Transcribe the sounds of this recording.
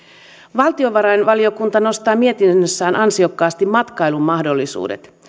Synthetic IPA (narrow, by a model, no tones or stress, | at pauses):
ʋɑlt̪io̞ʋɑɾɑjnʋɑlio̞kunt̪ɑno̞st̪ɑːmie̞t̪innːøsːæːnʔɑnsio̞kːɑːst̪immɑt̪kɑjlumːɑhdo̞lːisṵːde̞̰t̪